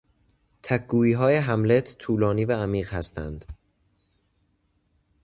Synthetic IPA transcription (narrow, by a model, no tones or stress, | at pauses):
t̪ʰækɡuːiːɦɒːje̞ɦæmle̞t̪ʰt̪ʰuːlɒːniːvæːmiːɢhæst̪ʰæ̰nd̪̥